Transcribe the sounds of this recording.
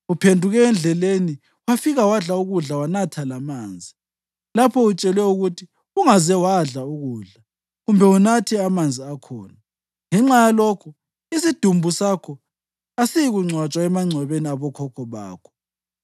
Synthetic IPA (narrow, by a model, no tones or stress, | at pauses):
upʰendʱuɣɛːnd͡ɮʱɛleni | wafiɣawaɮauɣuɮawanatʰalamaːnd͡zʱi | lapʰɔut͡ʃʼɛlwɛuɣutʰi | uŋazɛwaɮauɣuːɮa | ɣumbʱɛunatʰɛamand͡zʱiakʰɔ̰ːna | ŋɛŋ͡ǁajalɔkʰu | isid̥ʱumbʱusakʰɔ | asijiɣuŋ͡ǀʱwat͡ʃʼwaɛmaŋ͡ǀʱɛβeniaβɔkʰɔkʰɔβa̰ːkʰɔ̥